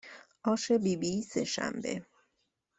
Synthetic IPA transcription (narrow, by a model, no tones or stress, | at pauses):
ʔɒːʃebiːbisḛʃæ̰mbḛ